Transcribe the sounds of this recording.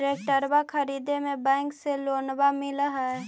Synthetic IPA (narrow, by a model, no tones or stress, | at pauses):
ɾek̚ʈəɾbakʰəɾiːd̪emẽbɛ̃ːŋkseloːnbamɪləɦɛ